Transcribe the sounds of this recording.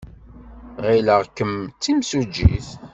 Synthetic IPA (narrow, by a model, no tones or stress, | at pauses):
ʁiləʁkəmt͡sːimsud͡ʒːḭθ